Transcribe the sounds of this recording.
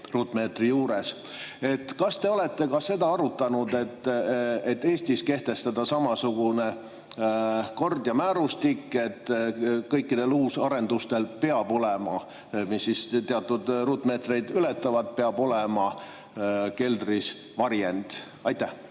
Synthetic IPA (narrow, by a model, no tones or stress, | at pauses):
ruːt̪ːˑme̞ːt̪rijuːɾese̞t̪ːkɑst̪e̞o̞le̞t̪ːe̞kɑse̞d̪ɑɑɾut̪ːˑɑnud̪e̞t̪ːet̪ːe̞ːsʲt̪iske̞ht̪e̞st̪ɑd̪̥ɑsɑmɑsuɡ̥une | ko̞rd̪̥jɑmæːɾust̪ikːe̞t̪ːkɤjkːid̪̥e̞luːsɑɾe̞nd̪̥ust̪e̞lpe̞ɑbo̞lemɑ | misːist̪eɑt̪ːˑud̪̥ruːt̪ːˑme̞ːt̪rejd̪ylet̪ːˑɑvɑd̪̥̚peɑbo̞lemɑ | ke̞ld̪ris | vɑɾjend̪̥ | ɑjt̪ːæh